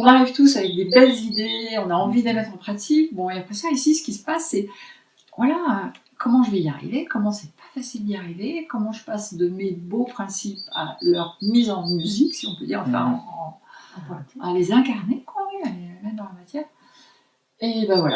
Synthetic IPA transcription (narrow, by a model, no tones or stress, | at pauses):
ɔ̃naʁivt̪usavɛk̚d̪ebɛlzid̪eɔ̃naɑ̃vid̪emɛt̪χɑ̃pχat̪ʰikbɔ̃alɛ̃pχɛsjɔ̃isisə̥kʲisə̥pasːɛ | vwalaø | kɔmɑ̃ʒəvɛia̰ʁḭvekɔmɑ̃sɛpḁfasild̪iaʁivekɔmɑ̃ʒəpasd̪əmebopχɛ̃sipa̰lœʁmizɑ̃myziksiɔ̃pød̪ḭʁɑ̃fɛ̰̃ | alezɛ̃kaʁnekwawialemɛt̪d̪ɑ̃lamat̪jɛːʁ | ebavwala̰